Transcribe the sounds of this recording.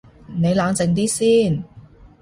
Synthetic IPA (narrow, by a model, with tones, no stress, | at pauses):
ne˨˧jlaː˨˧ŋt͡sɪ˨˧ŋt̪̬iː˥siː˥˩n